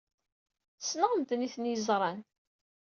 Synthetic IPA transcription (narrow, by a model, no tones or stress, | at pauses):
snəʁəmt̪niθənjəzɾˤɑn